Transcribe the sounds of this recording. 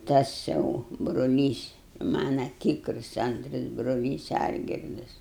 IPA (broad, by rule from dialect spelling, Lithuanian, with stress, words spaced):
ˈtɐs jɛʊ brʊˈlʲiːs ˈmɑːnɐ ˈtʲiːkrʊs ˈɐntrɐs brʊˈlʲiːs ˈɐlʲɡʲɪrdɐs